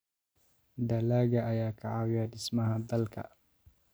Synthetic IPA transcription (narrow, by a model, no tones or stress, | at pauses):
d̪ɐlaːɡɐʔɐjaːkʰaʕawɪjaɗɪsmɐɦad̪ɐlkʰɐ̰